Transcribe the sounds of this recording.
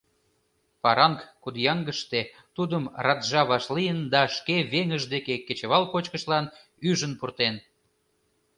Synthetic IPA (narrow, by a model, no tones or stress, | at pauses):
pɑɾɑŋkkud̪jɑŋɡəʃt̪e | t̪ud̪əmrɑt̪ʒɑβɑʃlijənd̪ɑʃkeβeŋəʒd̪ekeket͡ɕəβɑlkot͡ɕkəʃlɑn | yʒənpurt̪en